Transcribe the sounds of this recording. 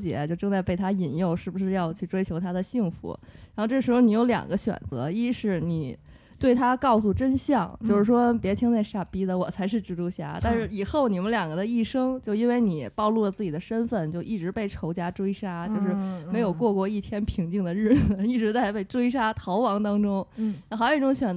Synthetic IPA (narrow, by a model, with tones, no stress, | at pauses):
t͡ɕjɛ̰˧˥t͡ɕjo˥˧ʊʈ͡ʂɤ˥˧ŋt͡sa˥˧ɪpe˥˩ɪt̪ʰa˥i˨˩njo˥˩ʊʂɻ̩˥˩bu˩ʂɻ̩˥˧jɑ˥˧ʊt͡ɕʰy˥˩ʈ͡ʂwe˥ɪt͡ɕʰjo˧˥ʊt̪ʰa˥d̪ə˨ɕi˥˩ŋfṵ˧˥ɻa˧˥xʈ͡ʂɤ˥˩ʂɻ̩˧˥xo˧ni˧˥jo˧˥ʊljɑ̰˨˩ŋɡə˦ɕɥɛ̰˨˩nt͡sɤ̰˧˥i˥ʂɻ̩˥˩ni˨˩˦ | t̪we˥˩ɪt̪ʰa˥kɑ˥˧ʊsu˥˩ʈ͡ʂə˥nɕjɑ˥˩ŋt͡ɕjo˥˧ʊʂɻ̩˥˩ʂwɔ˥pjɛ˧˥t̪ʰi˥ŋt͡sa˥˧ɪʂa˥˩pi˥d̪ə˨wɔ˨˩t͡sʰa˧˥ɪʂɻ̩˥˩ʈ͡ʂɻ̩˥lu˧˥ɕja̰˥˩t̪a˥˧nʂɻ̩˥˩i˨˩xo˥˩ʊni˨˩mə˦nljɑ˨˩ŋɡə˦d̪ə˧i˥˩ʂɤ˥ŋt͡ɕjo˥˧ʊi˥nwe˥˩ɪni˨˩pɑ˥˧ʊlu˥˩lə˩t͡sɹ̩˥˩t͡ɕi˨˩ə˦ʂə˥nfə˥˩nt͡ɕjo˥˧ʊʔi˥˩ʈ͡ʂɻ̩˧˥pe˥˩ɪʈ͡ʂʰo˧˥ʊt͡ɕja˥ʈ͡ʂwe˥ɪʂa˥t͡ɕjo˥˧ʊʂɻ̩˥˩mme˧˥ɪjo˨˩ʊkwɔ˥˧kwɔ˥˧i˥˩t̪ʰjɛ˥npʰi˧˥ŋt͡ɕi˥˩ŋd̪ə˩ɻɻ̩˥˩d͡zɹ̩˩i˥˩ʈ͡ʂɻ̩˧˥t͡sa˥˧ɪpe˥˩ɪʈ͡ʂwe˥ɪʂa˥t̪ʰɑ˧˥ʊwɑ˧˥ŋt̪ɑ˥ŋʈ͡ʂʊ˥ŋ˧˥xɑ˧˥o˥˧˥i˥ʈ͡ʂʊ˧˥ŋɕɥɛ˨˩n